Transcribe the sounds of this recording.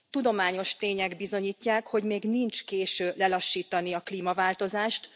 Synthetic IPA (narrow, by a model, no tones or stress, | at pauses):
t̪ud̪o̞maːɲo̞ʃt̪eːɲɛɡbizo̞ɲiːcːaːkho̞ɟmeːɡnint͡ʃkeːʃøːlɛlɒʃːiːt̪ɒniɒkliːmɒvaːlt̪o̞zaːʃt̪